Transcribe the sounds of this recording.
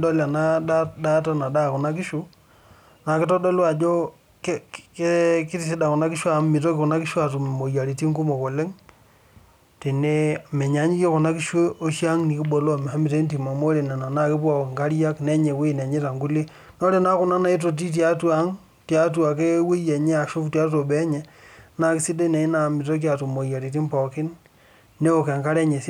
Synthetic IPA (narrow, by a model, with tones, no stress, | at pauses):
do˦la˨na˦a˦da˦ta˦na˨da˦˨ku˨na˦ki˦ʃu˦ | na˨kɪ˦to˦do˦lwa˨d͡ʒo˦ | ke˦ke˦ki˦ti˦˨s̬i˦da˨kʊ˨na˦kɪ˦ʃwa˨˦mmi˨t̬o˦kɪ˨ku˨na˦ki˦ʃwa˨tu˨m˨mo˨ja˨ɾi˨ti˦ŋɡu˦mo˨ko˨le˦ŋ | te˨ne˦˨me˨ɲa˨˦ɲi˦ke˦ku˨na˦ki˦ʃwe˦o˦ʃa˦ŋni˨ki˦ɓo˨lo˦˨me˨ha˦mi˨t̬e˦nt̬i˨ma˨mo˦ɾe˨na˨na˨na˦˨ki˦pɔ˨ŋka˦ɾja˦kne˦ɲe˨we˦˨na˨ɲe˦ta˨ŋɡu˦li˦ | no˦ɾe˦na˦ku˦na˦na˨˦i˦t̬o˨t̬i˦t̬ja˦tu˦a˦ŋ | tja˨˦t̬u˦a˨k̬e˦we˦je˨ɲe˦a˨ʃo˦ftja˦to˨bɛ˦ɲe˨na˦ki˦si˦de˦ne˨i˦na˨mi˨t̬o˦k̬ja˨tu˨mo˨ja˨ɾi˨t̬i˦mpɔ˨kiɪ˦nː | e˦o˨ke˨ŋka˦ɾe˦ɲe˨si˦